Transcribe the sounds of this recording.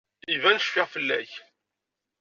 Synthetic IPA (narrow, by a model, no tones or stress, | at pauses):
ivænʃfɪʁfəlːæç